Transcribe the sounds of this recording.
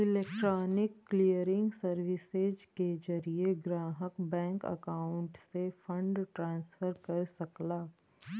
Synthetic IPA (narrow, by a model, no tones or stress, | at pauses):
ɪlɛːkʈɾɔːnɪkːlijəɾɪ̃ŋɡsɐɾʋɪsed͡ʒked͡ʒɐɾieɡɾaːɦəkbɛ̃ːŋkə̰kaːʊ̃ɳʈsefɐ̃ɳɖʈɾãːnsfəɾkɐɾsɐklaː